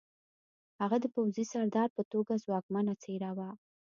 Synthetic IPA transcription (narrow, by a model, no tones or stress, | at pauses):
haɣad̪əpawzisaɾd̪ɑɾpət̪oɡazwɑkmanat͡seɾawa